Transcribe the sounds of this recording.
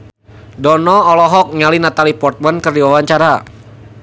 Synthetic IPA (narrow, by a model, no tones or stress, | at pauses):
dɔnɔːlɔɦɔk̚ŋalinat̪alipɔrt̪̚mankərdiwawaɲt͡ʃaɾa